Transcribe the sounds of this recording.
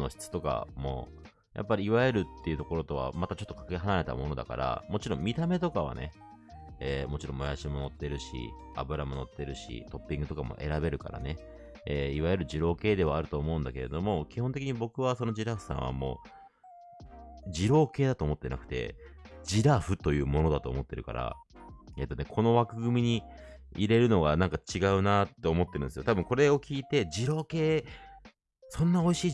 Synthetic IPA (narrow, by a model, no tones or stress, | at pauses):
no̞ɕi̥t͡sɨ̥t̪o̞ka̰mo̞̰ | jʔa̰pːaɾʲiːβaeɾɯ̟t̪ːe̞iɯ̟t̪o̞ko̞ɾo̞t̪o̞βa̰mat̪at͡ɕot̪ːokḁkeɦanaɾe̞t̪a̰mo̞no̞d̪a̰ka̰ɾa̰mo̞t͡ɕiɾõ̞mʲit̪ame̞t̪o̞kaβ̞a̰ne̞̰ː | mo̞t͡ɕiɾõ̞mːo̞jaɕimo̞no̞t̪ːe̞ɾɯ̟ɕḭ | a̰bɯ̟ɾamo̞not̪ːe̞ɾɯ̟ɕḭt̪o̞pːĩŋɡɯ̟t̪o̞kamo̞̰ʔe̞ɾabe̞ɾɯ̟ka̰ɾa̰ne | eːiβajɯ̟ɾɯ̟ʑiɾo̞ːke̞ːd̪e̞β̞aːɾɯ̟t̪o̞ːmo̞ɯ̟̃nd̪ake̞ɾe̞d̪o̞mo̞kʲiɦõ̞nt̪e̞kʲiɲ̟ibo̞kɯ̟β̞aso̞no̞ʑiɾaɸɯ̟̥sã̰ɰ̃βa̰mo̞̰ː | d͡ʑiɾo̞ːke̞ːd̪at̪o̞ːmo̞t̪ːena̰kɯ̟̥t̪e̞̰d͡ʑiɾaɸɯ̟t̪o̞jɯ̟ːmo̞no̞d̪at̪o̞̰ːmo̞t̪ːe̞ɾɯ̟ka̰ɾa̰ | e̞t̪ːo̞ne̞kʰo̞no̞βakɯ̟ɡɯ̟mʲiɲ̟iiɾe̞ɾɯ̟no̞ɡanãŋkat͡ɕiɡaɯ̟nat̪ːe̞omo̞t̪ːeɾɯ̟nsijot̪abɯ̟̃ŋko̞ɾe̞o̞kʲiːt̪e̞d͡ʑiɾo̞ːke̞ː | sõ̞nːao̞iɕiː